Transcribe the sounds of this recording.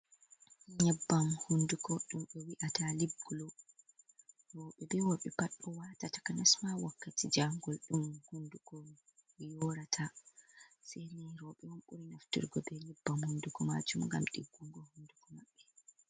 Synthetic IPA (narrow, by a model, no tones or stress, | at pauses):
ɲɛbːamhundukɔɗumɓɛwiʔatalibɡulɔ | ɾɔɓɛbɛwɔɓɛpaɗːɔwatatḁkanasmawakːatid͡ʒaŋɡɔlɗumhundukɔ | jɔɾatʰa | sɛɾinɛɾɔɓɛwɔnɓuɾinaftḭɾɡɔbɛlibːamhundukɔma̰d͡ʒumŋɡa̰mɗḭɡːuŋɡɔhundukɔmaɓːɛ